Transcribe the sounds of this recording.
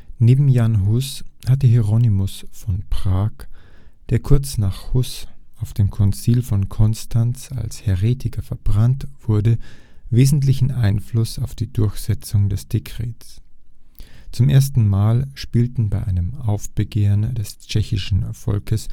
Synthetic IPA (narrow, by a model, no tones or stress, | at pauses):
neːbm̩janɦʊshatəɦɛʁonimʊsfɔnpʁ̥aːkd̥eːɐkʰʊɐt͡snaːχhʊsʔaʊfd̥eːmkʰɔnt͡siːlfɔnkʰɔnstʰant͡sa̰lshɛʁeːtʰɪkʰɐfɛɐbʁantv̥ʊɐdə | veːzn̩tlɪçn̩ʔaɪnflʊsaʊfd̥iːdʊɐçz̥ɛt͡sʊŋdɛsd̥ekʁ̥eːts | t͡sʊmʔeːɐstn̩maːlʃpiːltn̩baɪʔaɪnəmʔaʊfb̥əɡeːʁəndɛst͡ʃɛçɪʃn̩fɔ̰lkʰəs